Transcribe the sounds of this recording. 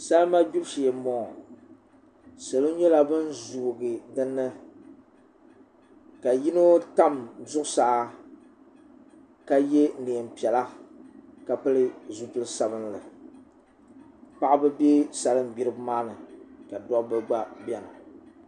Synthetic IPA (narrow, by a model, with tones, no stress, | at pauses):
sa˦lma˦bi˦bʃi˨ɛ˨mɔ˨ | sɨ˨lɨ˦ɲɛ˦la˨bɨ˦nzu˨ɡɨ˨dɨ˦nːɨ˦ | ka˨ji˦no˦ta˦mzʊ˦ʔʊ˦saː˨˦ | ka˦je˦ne˨m̩˨pi˨ɛ˨la˦ | ka˨pɨ˦lɨ˦zu˦pɨ˦lɨ˦sa˦bɨ˦nlɨ˨ | pa˦ʔbɨ˦be˦sa˨lɨ˦m˨ɡ͡bi˦ɾɨ˦bmaː˦nɨ˨ka˨dɔ˦ʔbɨ˨ɡ͡ba˦bʲɛ˨nɨ˨